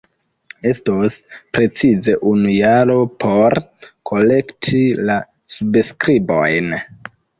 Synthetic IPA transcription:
e̞stospɾe̞t͡size̞ʔunujaɾo̞pʰo̞ɾkʰo̞le̞ktʰila | subskɾibo̞̰jn

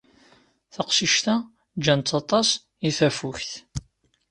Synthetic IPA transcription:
θəqsiʃt̪æ | d͡ʒːænt̪ʰːɑt̪ˤɑs | iθæfʊçθ

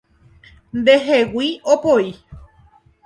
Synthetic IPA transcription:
nd̪e̞ɦewiopoi

